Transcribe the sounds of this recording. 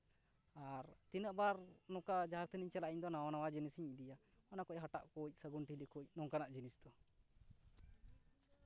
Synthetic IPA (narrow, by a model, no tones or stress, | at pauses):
aɾt̪inəʔbaɾnɔkad͡ʒaaɾt̪ʰəniɲt͡ʃɛlaʔiɲd̪ɔnawanawad͡ʒinisiɲid̪ija | ɔnakɔc̚ɦaʈa̰ʔkɔc̚səɡunʈilikɔcnɔŋkanaʔd͡ʒinisd̪ɔ